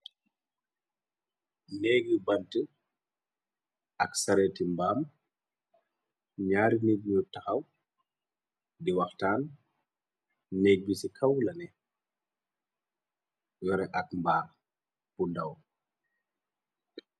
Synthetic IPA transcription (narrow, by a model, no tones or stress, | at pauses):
nɛːɡəbɐntə | ɐksɐɾɛtimbaːm | ɲaːɾiniɡɲutɐxɐw | diwɐxtaːn | nɛɡ̚bisikʰɐwlɐnɛ | jɔɾɛʔɐk̚mbaːr | pundɐw